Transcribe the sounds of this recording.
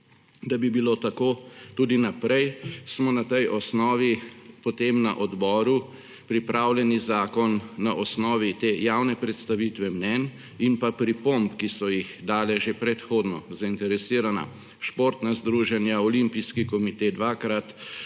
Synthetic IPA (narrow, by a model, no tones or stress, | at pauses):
d̪abibilot̪akoːt̪uːd̪inapɾɛjsmɔnat̪ɛjʔɔsnɔːʋipɔt̪eːmnaʔɔd̪bɔːɾu | pɾipɾaːwlʲjɛnizaːkɔnːaʔɔsnɔːʋit̪eːjawnɛpɾɛt̪st̪aʋit̪ʋɛmnɛn | inpapɾipompkisɔjixd̪aːlɛʒepɾɛt̪xoːd̪nɔzaint̪ɛɾɛsiːɾana̰ | ʃpoːɾt̪nazd̪ɾuːʒɛnjaɔlimpiskikɔmit̪ed̪ʋaːkɾat̪